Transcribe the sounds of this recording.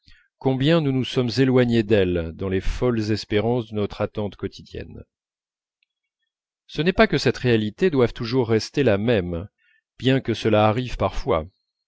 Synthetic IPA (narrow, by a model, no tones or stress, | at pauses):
kɔ̃bjɛ̃nunusɔmzelwaɲed̪ɛld̪ɑ̃lefɔlzɛspeʁɑ̃sd̪ənɔt̪χat̪ɑ̃t̪kɔt̪ʰid̪jɛ̰n | sənɛpakəsɛt̪ʁealit̪ed̪wav̥t̪uʒuʁːɛst̪elamɛm | b̥jɛ̃kəsəlaːʁivpaʁfwa̰